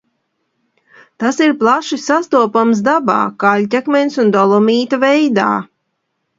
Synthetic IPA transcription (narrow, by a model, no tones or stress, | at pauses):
t̪asiɾplˠaʃisast̪uɔpams̬d̪aba̰ːkalʲt̪ʲɛkmʲɛnsund̪ɔlˠɔmiːt̪avɛjd̪a̰ː